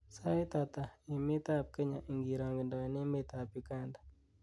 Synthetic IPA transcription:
sa˦i˦t̪a˨t̪a˨i˨mɪ˦t̪a˦p̚kɛ˦ɲa˨ʔi˨ŋɡi˨ɾa˨ŋɡi˨ndɔ˨nɪ˦mɪ˦t̪a˨pi˨ka˦ndḁ˨

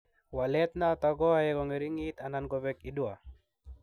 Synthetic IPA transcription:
wa˨lɛ˦t̪na˦˨t̪a˨ɡɔ˦a˦jɛkɔ˨ŋe˨ɾi˦ŋi˦t̪a˨na˨nɡɔ˨bɛki˨dwa˨

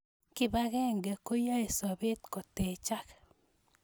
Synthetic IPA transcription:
kɪ˦ba˦ɣɛ˦ŋɡɛ˨ko˦ja˦e˨sɔ˨be˦t̪kɔ˨te˨t͡ʃa˦k

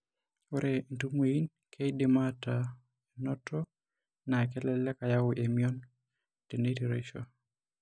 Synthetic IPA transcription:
o˦ɾen˨tu˦mo˨i˦n | kʰe˦i˦de˨mata | enɔ˦tʰɔ | na˨kɛlɛlɛ˦ka˨ja˦wo˨ʔe˨miɔ˦n | te˨ne˦tiɾḛʃo̰

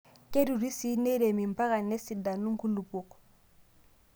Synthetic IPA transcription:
ke˦du˨ɾi˦si˦ne˦ɾe˨mi˨mpa˦ɣa˨nːe˦si˨da˨nu˦ŋ˦ku˦lu˨pu˨k

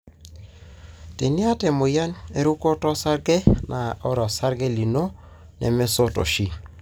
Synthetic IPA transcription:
te˨nɪ˦a˦te˨mʊ˨ja˦ne˦ɾu˦ko˦tɔ˦sa˦ɾɡɛ˦nʔa˨ɔ˦ɾɔ˨sa˦ɾɡe˦li˨no˦ | nɛ̰˨me˦so˦to̰˨ʃi˦

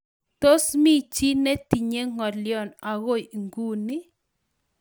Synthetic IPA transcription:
t̪o˦smi˦t͡ʃi˦nɛ˦t̪i˨ɲe˦ŋɔ˨ljɔ˨na˨ɣo˦˨jŋɡu˦nɪ˦

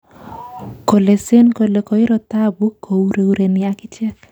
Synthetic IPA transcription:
ko˨le˨se˦nko˨le˨kɔ˨ɪ˦ɾɔ˨t̪a˦bu˦kʰːo˨u˦ɾe˦u˦ɾe˨nɪakɪ˦t͡ʃɛ˦k

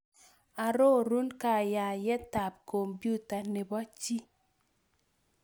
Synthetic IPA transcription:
a˨ɾo˦˨ɾu˦nka˦˨ja˨jɛ˦ta˨p̚ko˨mbju˦ta˨nɪ˨bɔ˦t͡ʃi˦

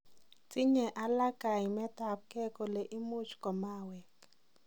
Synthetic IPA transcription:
t͡si˦ɲɛ˨ʔa˨la˦ka˨i˨mɛ˦ta˨p̚kɛ˦kɔ˨le˨ʔi˦mu˦t͡ʃkɔ˨ma˦˨wɛ˨

